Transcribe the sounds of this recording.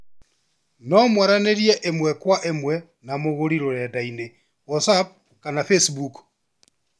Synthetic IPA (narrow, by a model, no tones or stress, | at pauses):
nɔmwaɾaneɾjɛʔemwɛkwaʔemwɛ | namoɣoɾiɾɔjadaine | wɔsap̚ | kanafesbuk